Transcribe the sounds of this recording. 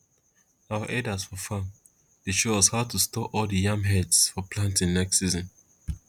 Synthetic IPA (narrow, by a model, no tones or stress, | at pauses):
aʊaʔɛdazfɔfãm | deʃoz̥haʊtʰustɔʔɔlˠdəjãmɦɛdsfɔpʰlãntĩŋnɛkssizɔ̃n